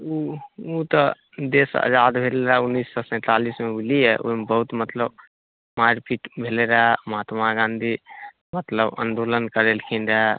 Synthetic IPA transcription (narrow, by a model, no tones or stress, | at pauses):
uut̪ə | d̪esə̰d͡ʒad̪bʱeleɾaunːisːɔsɛ̃ːt̪alismeuliɛʔo̰mebəɦut̪mət̪ləb | maɾpiʈbʱeleɾaməɦat̪maɡãnd̪ʱi | mət̪ləbə̰nd̪olənkəɾelkʰinɾa